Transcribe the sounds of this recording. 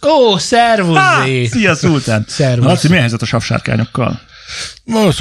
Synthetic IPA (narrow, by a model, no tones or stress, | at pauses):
oːsɛrvuefijɒsult̪aːnsɛrvɒlɒimijɛɦɛjzɛt̪ɒʃɒfʃa̰ːrka̰ːɲo̞kːɒ̰l | vɒloːs